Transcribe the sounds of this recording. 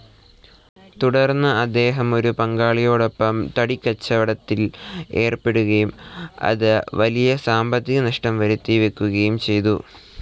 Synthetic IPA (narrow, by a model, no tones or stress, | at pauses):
t̪uɽɐrnːɨɐd̪ːe̞ːɦɐmo̞ɾupɐŋɡaːɭijo̞ːɽopːɐmt̪ɐɽikʲːɐt͡ɕːɐʋɐɽɐt̪ːile̞ːrpe̞ɽuɣɐjumɐ̰ðɨʋɐlijɐsaːmbɐt̪ːiɣɐnɐʂʈɐmʋɐɾut̪ːiʋekʲːuɣɐjumt͡ɕe̞jt̪u